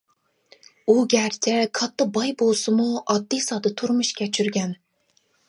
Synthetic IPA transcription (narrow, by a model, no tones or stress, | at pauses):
uɡʲæɾt͡ʃʲʰɛkʰɑt̪ʰːɨq̚bɑjbolˠsɨmuɑd̪ːɨsɑːd̪ɨt̪ʰuɾmuʃkʲʰɛt͡ʃʰyɾɡʲɛn